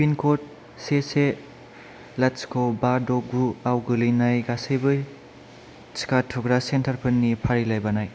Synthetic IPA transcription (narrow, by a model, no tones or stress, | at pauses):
pinkʰot̚ | sese | lat͡ʃkʰobadoɡuawɡɯlinajɡasɯjbɯj | t͡ʃkatʰuɡɾasentʰɐɾpʰɯnːipʰaɾilajbanaj